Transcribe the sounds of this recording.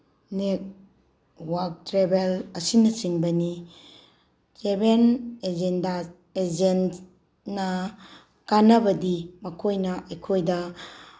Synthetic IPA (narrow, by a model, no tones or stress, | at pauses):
nek̚ | wak̚tɾebelɐsinɐt͡ʃiŋbɐni | sebened͡ʒenda | ed͡ʒen | nɐ | kanɐbɐdimɐkʰojnɐɐjkʰojdɐ